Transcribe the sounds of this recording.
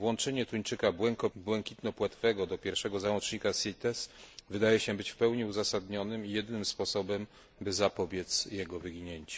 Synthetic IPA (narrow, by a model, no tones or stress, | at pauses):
vwɔnt͡ʂɛɲɛt̪uɲt͡ʂɘkabwɛŋkɔbwɛŋkʲit̪nɔpwat̪fɛɡɔd̪ɔpʲjɛɾfʂɛɡɔzawɔt͡ʂɲikasʲit̪ɛsvɘd̪ajɛɕɛbɘt͡ɕfpɛwɲiuzasad̪ɲɔnɘmijɛd̪ɘnɘmspɔsɔbɛm | bɘzapɔbʲjɛt̪sjɛɡɔvɘɡʲiɲeɲt͡ɕɛ̥